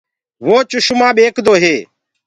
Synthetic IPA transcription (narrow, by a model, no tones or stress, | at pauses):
ʋoːt͡ʃʊʃmãːɓeːkʰd̪oːɦeː